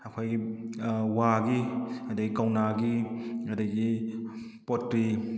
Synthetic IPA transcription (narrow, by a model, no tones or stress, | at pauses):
ɐkʰojɡi | waɡiɐdəɡikawnaɡiɐdɐɡi | potɾi